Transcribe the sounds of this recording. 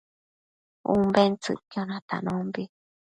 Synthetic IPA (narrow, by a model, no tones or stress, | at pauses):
ṵ̃mbent͡sɨ̰kjonãt̪a̰nõmbi